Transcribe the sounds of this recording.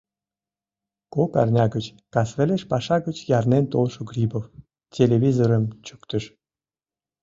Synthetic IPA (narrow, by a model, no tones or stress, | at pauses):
kokɑ̰rnʲɑɡət͡ɕ | kɑsvĕlʲeʃpɑʃɑɡət͡ɕjɑrnent̪olˠʃoɡɾʲipof | tʲelʲeβʲizoɾəmt͡ɕykt̪ə̆ʃ